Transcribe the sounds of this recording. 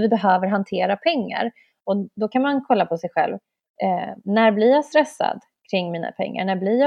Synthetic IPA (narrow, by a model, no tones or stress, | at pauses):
vɪbɛɦøːvəɾɦant̪ʰeːɾapʰɛŋːa̰ɾ | ɔd̪ɔkʰanmankʰɔlːapʰɔsɛjɧɛ̰lv | næɾblɪɾjɑːst̪ɾɛsːa̰d̪ | kʰɾɪŋːmiːna̰pʰɛ̰ŋːa̰ɳæblɪɾjɑː